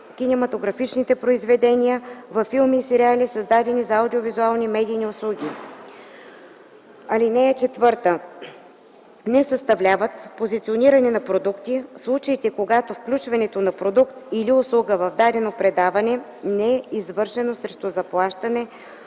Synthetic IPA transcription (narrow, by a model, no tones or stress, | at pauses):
kʲinɛmɐt̪oɡɾɐfit͡ʃnit̪ɛpɾoizvɛd̪ɛnijəvɐfːilˠmiːsɛɾialisɐzd̪ad̪ɛnizɐɐwd̪iovizualˠnimɛd̪ijniʊslˠuɡʲi | ɐlinɛjət͡ʃɛt̪vɤɾt̪ə | nɛsɐst̪ɐvlʲavət̪pozit̪sioniɾɐnɛnɐpɾod̪ukt̪islˠut͡ʃəit̪ɛkoɡat̪ofklʲut͡ʃvɐnɛt̪onɐpɾod̪ukt̪iliʊslˠuɡəvɐvd̪ad̪ɛnopɾɛd̪avɐnɛ | nɛɛizvɤɾʃɛnosɾɛʃt̪ʊzɐplˠaʃt̪ɐnɛ